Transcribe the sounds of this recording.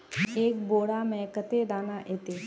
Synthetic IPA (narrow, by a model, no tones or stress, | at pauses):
eːk̚boːɽamɛ̃kət̪ed̪aːnaʔeːt̪e